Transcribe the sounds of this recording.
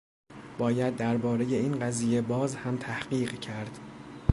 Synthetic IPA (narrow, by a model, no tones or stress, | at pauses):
b̥ɒːjæd̪ːæɾbɒːɾe̞je̞iːnɢæziːje̞bɒːzhæmt̪ʰæhɢiːɢcʰæɾd̪̥